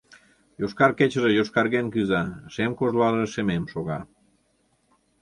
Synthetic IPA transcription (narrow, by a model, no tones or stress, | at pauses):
joʃkɑrket͡ɕəʒejoʃkɑɾɣenkɯzɑʃemkozlɑləʃememʃoɣɑ